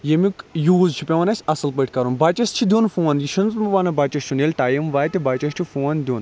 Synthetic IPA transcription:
jemikjuːzt͡ʃʰipʲeʋɐnɐsʲɐsɐlpəʈʰʲkɐɾunbaːt͡ʃɐst͡ʃʰid̪ʲuːnfoːnjiʃɐnt͡smuʋaːnɐbaːt͡ʃɐst͡ʃʰunelʲʈaːjimʋaːjt̪ʲibaːt͡ʃɐst͡ʃʰifoːnd̪ʲoːn

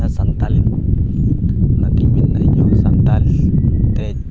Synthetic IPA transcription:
asant̪aliko | nat̪iminːa̰iɲosant̪alist̪e

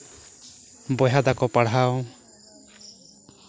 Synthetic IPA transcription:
bɔjad̪akɔpaɽɦaw

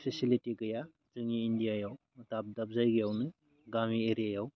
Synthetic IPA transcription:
pʰisilitikɯja | tɯŋiːndijajaw | dap̚dap̚zajɡijawnɯ | ɡamieɾijajaw

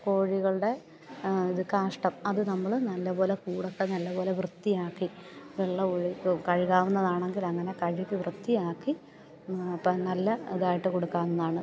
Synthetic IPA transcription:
ko̞ːɻiɣɐɭɨɽe̞ | iðɨkaːʂʈɐmɐðɨnɐmːɐɭnɐlːɐbo̞ːlekuːɽokːenɐlːɐbo̞ːle̞ʋrɨt̪ːijaːkːiʋeɭːɐoɻikɐɻiɣaːʋunːɐðaːɳe̞ŋɡilɐŋːɐne̞kɐɻikːɨʋrɨt̪ːijaːkːi | pːɐnɐlːɐiðaːjiʈːɨko̞ɽukːaːʋnːɐðaːɳɨ

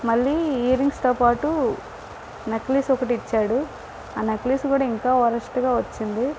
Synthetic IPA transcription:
mɐɭːiːiːɾiŋɡst̪oːpaːʈu | nekliːsɔkɐʈiit͡ʃːaːɽu | aːneklisɡuːɽaːiŋkaːɐɾɐsʈuɡaːʋɐt͡ʃːind̪i

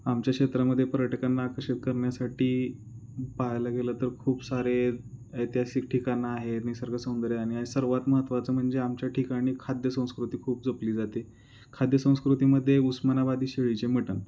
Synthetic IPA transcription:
amt͡ɕjakʂet̪ɾaməd̪ʱːjepəɾjəʈəkanːaːkəɾɕit̪̚kəɾɳjasaʈiː | paɦajlaɡelət̪əɾkʰuːpsaɾeet̪jɦasiːk̚ʈʰikanːaːɦet̪nisəɾɡəsə̃nd̪ɾeaɽ̃iasəɾʋat̪məɦət̪ʋat͡səːm̤əɳd͡zeamt͡ɕjaʈikaɽ̃iːkʰad̪ʱjəsə̃w̃skɾut̪iːkʰuːp̚d͡zopliːd͡zat̪e | kʰad̪jəsə̃w̃skɾut̪iːməd̪ʱːjeusmanabad̪ʱiːɕeɭit͡ɕem̤əʈən

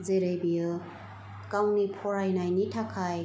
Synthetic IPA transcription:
zeɾejbijɯ | kawnipʰɔɾajnajnitʰakʰaj

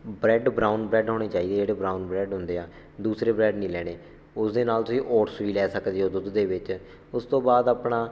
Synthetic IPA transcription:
bɾɛːɖbɾaːunbɾɛːɖɦoːɽeːt͡ʃaːiːd̪eːd͡ʒeːɽeːbɾaːunbɾɛːɖɦʊ̃nd̪eːaː | d̪uːsɾeːbɾɛːɖnĩːlɛːɽ̃eː | ʊsd̪eːnaːlt̪ʊsĩːʔɔːʈsʋiːlɛːsəkd̪iːɦoːd̪ʊd̪ːeːʋɪt͡ʃ | ʊst̪õːbaːd̪aːpɳãː

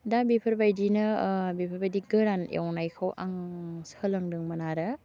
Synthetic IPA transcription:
dabipʰɐɾbajdinɐbipʰɾbajdiɡɯɾanja̰wnajkʰawʔaŋsəlɯŋdɯŋmɐnaɾɯ

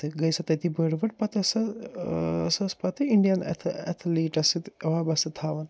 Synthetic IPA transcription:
t̪ɨɡɐjsɐt̪ɐt̪ʰibəɽʋɐʈ̚pɐt̪ɐsɐ | sɐspɐt̪ɨiɳɖijɐnɐ̰t̪ʰɐ̰t̪ʰliːʈɐsit̪ʋabɐsɐt̪ʰaːʋɐn

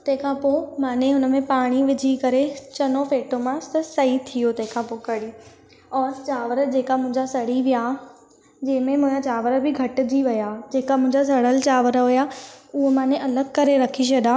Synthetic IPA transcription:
t̪ɐ̃ɦɪ̃kʰãːpomãːneɦʊnəmẽpaːɽ̃iʋɪd͡ʑʱikɐɾet͡ɕɐnofeːʈomãst̪ɐsɐit̪ʰijot̪ɐ̃ɦɪ̃kʰãpoːkɐɽiː | ɔːɾt͡ɕaːʋəɾəd͡ʑeːkamʊ̃ɦɪ̃ɲd͡ʑasɐɽ̤iʋija | d͡ʑɐ̃ːɪ̃mẽmʊ̃ɦd͡ʑãt͡ɕaːʋəɾəbɪɡʱɐʈ̆d͡ʑiʋɪjad͡ʑeːkamʊ̃ɦɪ̃ɲd͡ʑas̬ɐɽəlt͡ɕaːʋəɾəʋɪjaʊɦemãːneʔɐləɡkɐɾeɾɐkʰiɕʰɐɗ̪aː

